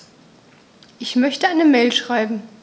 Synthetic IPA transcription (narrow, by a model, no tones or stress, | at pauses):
ʔɪçmœçtəaɪnəmɛɪlʃʁ̥aɪbm̩